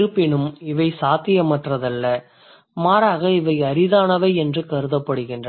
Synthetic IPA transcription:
ɾɯpːɪnɯmɪʋɐɪsaːt̪ɪjɐmɐʈrɐðɐlːɐ | maːɾaːɣɐɪʋɐɪɐɾɪðaːnɐʋɐɪɛndrɯkɐɾɯðɐpːɐɽɯɣɪndrɐ

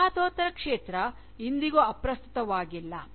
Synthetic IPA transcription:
aːt̪oːt̪ɐɾɐkʂeːt̪ɾɐ | ind̪iɡoɐpɾɐst̪u̥t̪ɐʋaːɡilːɐ̰

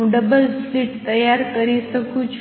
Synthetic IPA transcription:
ũɖəbəlfliʈt̪ɐjaɾkəɾisəkũt͡ʃʰ

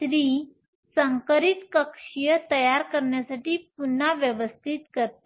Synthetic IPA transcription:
ɾiː | səŋkəɾit̪kəkʂijət̪əjaɾkəɾɳjasaʈiːp̚un̤ːaʋjəʋəst̪ʰit̪kəɾt̪

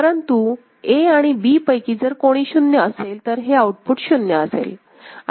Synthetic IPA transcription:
əɾənt̪u | eaɽ̃ibiːpəjkiːd͡zəɾkoɽ̃iːɕunjəəselt̪əɾɦeauʈ̚puʈɕunjəəsḛl

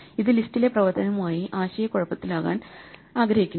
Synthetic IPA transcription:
iðɨlistːile̞prɐʋɐrt̪ʰɐnɐmaːjiʔaːɕɐjɐkuɻɐpːɐt̪ːilaːɣa̰ːnaːɡɾɐhikʲːun

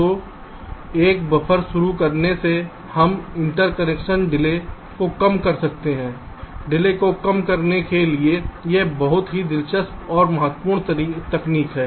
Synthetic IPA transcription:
o | eːkbɐpʰəɾʃʊɾukɐɾnese | hɐmɪ̃ɳʈəɾkənɛːkʃənɖɪle | kokɐmkɐɾsɐk̚t̪eɦɛ̃ː | ɖɪlekokɐmkɐɾnekeliejebɐɦʊt̪ɦid̪ɪlʃəst̪ɔːɾmɐɦət̪ːpuːɾɽ̃t̪əɾiːt̪ɐkniːkɦɛː

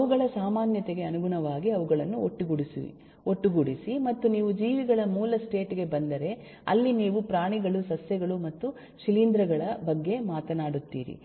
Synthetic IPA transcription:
ɐʋuɡɐɭɐsaːmaːnjɐt̪eɡe̞ɐnuɡuɳɐʋaːɡiɐʋuɡɐɭɐnːuoʈːuɡuɽisḭʋḭ | oʈːuɡuɽisimɐt̪ːuniːʋud͡ʒiːʋiɡɐɭɐmuːlɐsʈe̞ːʈiɡe̞bɐnd̪ɐɾe̞ | ɐ̰lːiniːʋupɾaːɳiɡɐɭusɐsjɐɡɐɭumɐt̪ːu | ʃilind̪ɾɐɡɐɭɐbɐɡːe̞maːt̪ɐnaːɽut̪ːḭːɾḭ

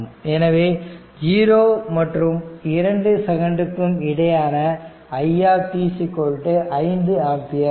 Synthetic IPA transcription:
ɛnɐʋeː | d͡ʒiːɾoːmɐʈrɯmɪɾɐɳɖɯsɛɣɐɳɖɯkːɯmɪɽɐjaːnɐː | jaːt̪iːsikːoɻʈːɯʔɐɪnd̪ɯaːpɪjɐ

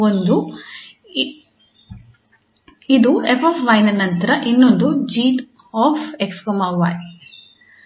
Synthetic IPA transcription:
ond̪u | id̪uepʰoːpʰʋɐjnɐnɐnt̪ɐɾɐʔinːo̞nd̪ud͡ʒiːʈ | ɔːfekskomɐʋɐj

